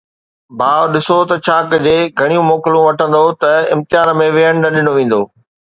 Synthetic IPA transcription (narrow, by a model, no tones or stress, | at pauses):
bʱaːʋɗɪsot̪ɐt͡ɕʰaːkd͡ʑeːɡʱɐɽ̃ijũmoːklũʋɐʈʰə̃nd̪ot̪ɐɪ̰̃mt̪ɪjaːnmẽʋeɦəɽ̃nɐɗɪnoʋẽːn̆d̪oː